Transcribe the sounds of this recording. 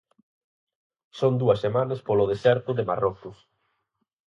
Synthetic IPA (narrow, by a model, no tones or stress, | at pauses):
sond̪uɐsːemanɐspoloð̞esɛɾt̪ʊðema̰rɔkʊs